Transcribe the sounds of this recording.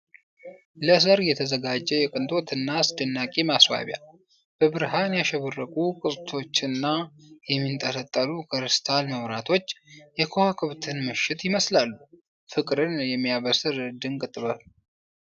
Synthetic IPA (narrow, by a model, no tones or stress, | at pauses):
ləsəɾjɛt̪ʰəzəɡad͡ʒːɛjɛkʼɨnt̪ʼo̞t̪ʰɨnːasd̪ɨnːakʼemaswa̰βja̰ | b̥əbɨɾɦanjaʃɛβərːəkʼukʼɨsʼt̪ʰo̞t͡ʃːɨnːajɛmːint̪ʼələt̪ʼːəlukʰəɾɨst̪ʰalməwɾat̪ʰo̞t͡ʃːjɛkʰohakʰɨβt̪ʰɨnmɨʃɪt̪jɪməslalːu | fɨkʼɾɨnjɛmːijaβəsɨɾɨd̪ɨnkʼɨt̪ʼːɨβə